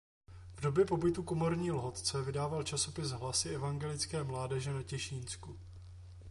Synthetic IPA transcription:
vdo̞bjɛpo̞bɪt̪ukomo̞ɾɲiːlɦo̞t̪t͡sɛvɪdaːvalt͡ʃaso̞pɪsɦlasɪɛvaŋɡɛlɪt͡skɛːmlaːdɛʒɛnacɛʃiːnsku

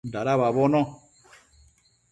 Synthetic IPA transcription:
ndaɾaβaβɔnɔ̃

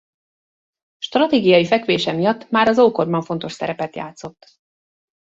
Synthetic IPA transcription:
ʃt̪rɒt̪eːɡijɒjifɛkʋeːʃɛmijɒt̪ːmaːɾɒzoːko̞rbɒɱfo̞n̪t̪o̞ʃsɛ̰ɾɛpɛt̪ja̰ːt̪so̞t̪ː

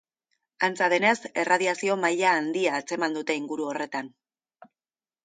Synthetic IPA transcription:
ant͡sað̞e̞ne̞se̞rað̞iasio̞maʎaːnd̪iaːt͡se̞mand̪ut̪e̞iŋɡuɾuo̞re̞t̪an

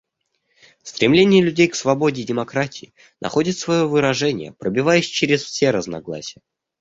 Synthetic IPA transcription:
st̪ɾʲɪmlʲenʲɪjəlʲʉdʲejksvɐbo̞dʲɪdʲɪmɐkɾatʲɪɪ | nʔɐ̰xo̞dʲɪt̪svɐjo̞vɨɾɐʐɛnʲɪjə̰pɾəbʲɪvajɪsʲt͡ɕɪɾʲɪsfsʲeɾəznɐ̰ɡlˠa̰sʲɪjə

